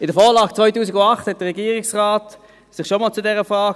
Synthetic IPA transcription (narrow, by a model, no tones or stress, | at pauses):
ɪdəfɔːlɑːɡ̥̚t͡svɔʏtuːsɪɡʊndɑχthɛt̚d̥əʁɛɡiːʁɪksʁaːt | sɪχʃomɑːlt͡sʊdɛʁəfʁaːɡ